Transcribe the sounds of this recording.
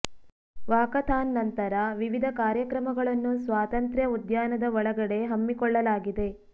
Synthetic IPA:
ʋaːkɐt̪ʰaːnːɐnt̪ɐɾɐʋiʋid̪ʱɐkaːɾjɐkɾɐmɐɡɐɭɐnːusʋaːt̪ɐnt̪ɾjɐud̪jaːnɐd̪ɐɔɭɐɡɐɽe̞ɦɐmːikɔɭːɐlaːɡid̪e̞

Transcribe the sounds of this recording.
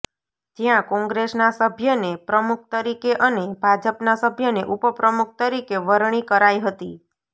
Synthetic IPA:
t̪jãkɔ̃ŋɡɾesnasəbʱjənepɾəmuk̚ʰt̪əɾikeʔənebʱad͡ʒəpnasəbʱjəneʔupəpɾəmuk̚ʰt̪əɾikeʋəɾɳ̃ikəɾaiɦət̪i

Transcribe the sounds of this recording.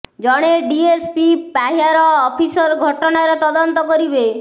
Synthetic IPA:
d͡ʒɔɽ̃eɖiespipaɦjaɾɔːpʰisɔɾɡʱɔʈɔnaɾet̪ɔd̪ɔnt̪ɔkɔɾibe

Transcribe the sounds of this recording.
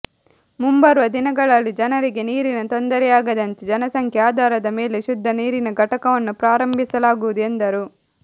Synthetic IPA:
mumbɐɾʋɐd̪inɐɡɐɭɐlːid͡ʒɐnɐɾiɡe̞niːɾinɐt̪o̞nd̪ɐɾɛjaːɡɐd̪ɐnt̪ed͡ʒɐnɐsɐŋkʰjaːd̪ʱaːɾɐd̪ɐmeːleʃud̪ʱːɐniːɾinɐɡʱɐʈɐkɐʋɐnːupɾaːɾɐmbʱisɐlaːɡuʋud̪uend̪ɐɾu

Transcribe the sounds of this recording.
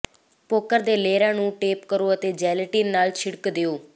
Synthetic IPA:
poːkəɾd̪eːleːɾãːnũːʈeːpkəɾoːət̪eːd͡ʒɛːləʈiːnːaːlt͡ʃʰɪɽkd̪eːoː

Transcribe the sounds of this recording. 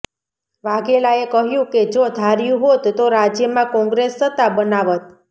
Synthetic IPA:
ʋaɡelaekəɦjũked͡ʒod̪ʱaɾjũɦot̪ːoɾad͡ʒjəmãkɔ̃ŋɡɾesːət̪abənaʋət̪̚

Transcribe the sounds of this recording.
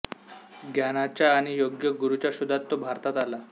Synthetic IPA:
ɡjanat͡ɕaːɽ̃ijoɡjəɡuɾut͡ɕaɕud̪ʱat̪ːobʱaɾt̪at̪ala

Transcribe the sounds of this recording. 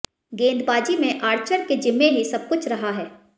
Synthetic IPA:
ɡẽːnd̪baːd͡ʒimẽʔaːɾt͡ʃəɾked͡ʒɪmːeɦisɐb̚kʊt͡ʃʰɾɐɦaɦɛː

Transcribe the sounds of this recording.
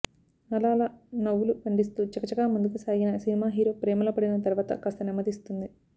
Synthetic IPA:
nɐlaːlɐnɐwːulukɐɳɖist̪ut͡ʃɐkɐt͡ʃɐɡaːmund̪ukusaːɡinɐsinimaːɦiːɾo̞ːpɾeːmɐlɐpɐɽinɐt̪ɐɾuʋaːt̪ɐ̰kɐst̪ɐnimɐd̪ist̪und̪i

